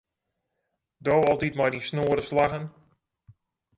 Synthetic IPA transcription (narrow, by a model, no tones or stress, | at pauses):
doːɔlˠtitmɔjdinsnoəɾəslaɣən